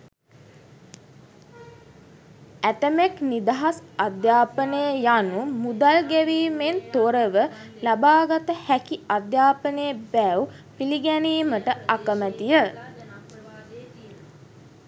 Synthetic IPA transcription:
æʈ̪əmeknid̪aɦasad̪jaːpənəjəjanumud̪alɡæʋiːment̪oɾəʋəlabaːɡat̪əhækiad̪jaːpənəjəbɛwpiliɡɛniːməʈəakəmæt̪ijə

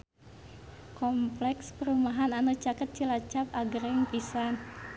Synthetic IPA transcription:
kɔmplɛkspəɾumaɦananut͡ʃakət̪̚t͡ʃilat͡ʃapaɡɾɛŋpisan

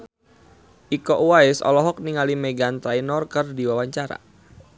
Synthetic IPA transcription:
ʔikɔʔuwaɪsɔ̰lɔɦɔk̚niŋalimeɡant̪ɾainɔrkərdiwawaɲt͡ʃaɾa̰

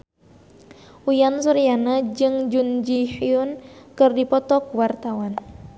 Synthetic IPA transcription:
ujansuɾijanad͡ʒɨŋd͡ʒund͡ʒihiʊnkɨrdipɔt̪ɔkwart̪awan

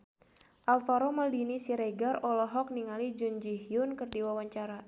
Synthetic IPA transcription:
ʔalfaɾɔməldinisiɾeɡarɔlɔɦɔk̚niŋalid͡ʒund͡ʒihjʊnkɨrdiwawaɲt͡ʃaɾa

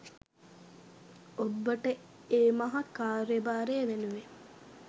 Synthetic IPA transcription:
obːəʈə | eːmɐɦɐkaːɾebaːɾeːʋenuʋe

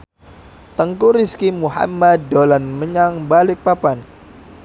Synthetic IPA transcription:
t̪əŋkuɾiskimuha̰mːadolanməɲaŋbalɪk̚papan

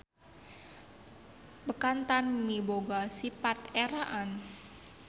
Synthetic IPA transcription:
bəkant̪anmiboɡasipat̪eɾaʔan

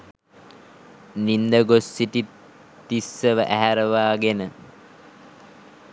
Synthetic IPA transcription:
nind̪əɡosːiʈi | t̪isːəʋəʔæɦæɾəʋaːɡenə

